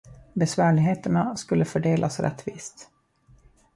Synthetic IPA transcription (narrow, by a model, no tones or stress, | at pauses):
bɛsvæːɭɪɡɦeːt̪əɳaskɵlːəfœɖeːlʔa̰sɾɛ̰t̪ːvḭːst̪